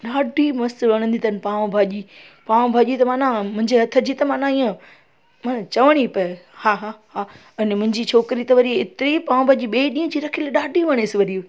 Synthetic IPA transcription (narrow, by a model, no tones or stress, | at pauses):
ɗaːɖʱimɐst̪ʋɐɽ̃ə̃nd̪it̪ɐnpaːʋbʱaːʄi | paːʋ̃bʱaːʄit̪ɐmaːnãmʊ̃ɦɪ̃ɲd͡ʑeɦɐt̪ʰəd͡ʑiːt̪ɐmaːnãiːə̃ | maːnãt͡ɕɐʋəɽ̃ipɐhaːɦaːɦa | ɐnmʊ̃ɦɪ̃ɲd͡ʑit͡ɕʰoːkɾit̪ɐʋɐɾiɪt̪ɪɾipaːʋ̃bʱaːʄiɓeːɗĩːə̃d͡ʑiːɾɐkʰilɗaːɖʱiʋɐɽ̃esɪʋɐɾiu